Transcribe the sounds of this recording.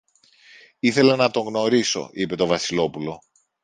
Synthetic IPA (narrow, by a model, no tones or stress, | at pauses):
iθe̞le̞nɐt̪o̞ŋɣno̞ɾiso̞̰ʔipe̞t̪o̞vɐsilo̞pulo̞